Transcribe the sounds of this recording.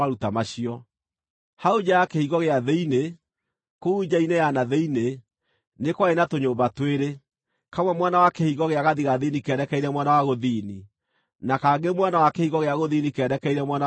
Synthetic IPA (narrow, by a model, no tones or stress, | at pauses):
aɾutamaɕiɔ | haod͡ʒaakehiɣɔɣeaðeine | koud͡ʑainejanaðeine | nekwaenatoɲoːmbatweɾe | kamwɛmwanawakehiɣɔɣeaɣaðiɣaðinikɛːɾɛkɛiɾɛmwanawaɣoðiːni | nakaɡemwanawakehiɣɔɣeaɣoðinikɛːdɛkɛiɾɛmwana